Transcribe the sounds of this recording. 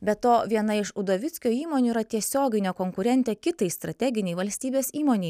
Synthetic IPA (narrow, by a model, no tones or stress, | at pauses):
bʲɛt̪oːʋʲiɛnɐɪʃʊd̪oːʋʲɪt̪sʲkʲoːiːmoːnʲuːiːɾɐt̪ʲiɛsʲoːɡʲɪnʲoːkoːŋkʊɾʲɛnʲt̪ʲeːkʲɪt̪ɐɪst̪ɾɐt̪ʲɛɡʲɪnʲɛɪʋɐlʲsʲt̪ʲiːbʲeːsiːmoːnʲɛɪ